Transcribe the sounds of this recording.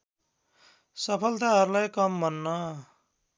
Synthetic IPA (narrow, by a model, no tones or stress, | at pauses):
sʌpʰʌlt̪aɦʌɾulajkʌmbʱʌnːʌ